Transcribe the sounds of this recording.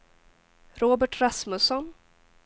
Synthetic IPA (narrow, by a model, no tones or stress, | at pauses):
ɾoːbɛʈɾasmɵsɔn